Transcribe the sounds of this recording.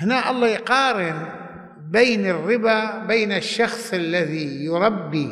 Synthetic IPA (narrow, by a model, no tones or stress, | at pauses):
hɪnaʔɑlˤːɑːjqɑːɾɪn | beːnɪrːɪbabeːnaʃːɑxsˤalːaðijʊɾˤɑbːi